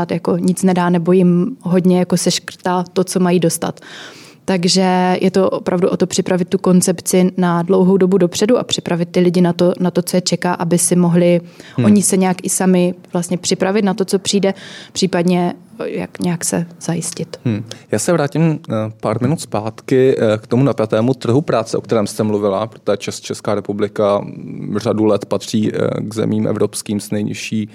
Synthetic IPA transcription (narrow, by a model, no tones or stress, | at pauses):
at̪jako̞ɲɪt͡snɛdaːnɛbo̞jɪmɦo̞dɲɛjako̞sɛʃkr̩t̪at̪o̞t͡so̞majiːdo̞st̪a̰t̪ː | aɡʒɛjʔɛt̪o̞ʔopɾavduʔo̞t̪o̞pr̝̥ɪpɾavɪt̪tːuko̞nt͡sɛpt͡sɪnadlowɦo̞wdo̞budopr̥ɛduʔa̰pr̥ɪpɾavɪt̪̚ːɪlɪɟɪnat̪o̞nat̪o̞t͡sojɛt͡ʃɛkaːʔabɪsɪmo̞ɦlɪʔo̞ɲɪsɛɲɛakʔɪsamɪv̥last̪ɲɛpr̥ɪpɾavɪt̪nat̪o̞t͡so̞pr̥iːdɛpr̝̥iːpadɲɛja̰kɲɛjaksɛz̥ajɪscɪt̪̩ːjaːsɛvɾaːcɪmpaːɾmɪnut̪spaːt̪kɪkt̪omunapjat̪ɛːmut̪r̩ɦupɾaːt͡sɛʔo̞kt̪ɛɾɛːmst̪ɛmluvɪla̰pɾo̥t̪ojɛt͡ʃɛst̪t͡ʃɛskaːɾɛpublɪka | r̝adulɛt̪pat̪r̝̥iːɡzɛ̰miːmʔɛ̰vɾopskiːmsnɛjɲɪ̰ʃiː